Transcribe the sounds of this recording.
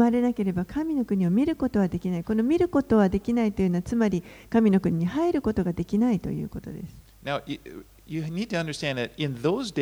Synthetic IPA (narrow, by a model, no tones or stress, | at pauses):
maɾe̞nake̞ɾe̞bakʰamʲino̞kɯ̟ɲ̟io̞mʲiɾɯ̟ko̞t̪o̞β̞ad̪e̞kʲinaiko̞no̞mʲiɾɯ̟ko̞t̪o̞βad̪e̞kʲinait̪o̞jɯ̟noat͡sɨmaɾʲikamʲino̞kɯ̟ɲ̟iɲ̟ihaiɾɯ̟ko̞t̪o̞ɡad̪e̞kʲinait̪o̞̰jɯ̰ːko̞t̪o̞̰d̪e̞̰sɨ̥ | naʊj | jɨnid̚tʰɨʌ̃ndə˞stæ̃nðɨɾɪ̃nðoʊzd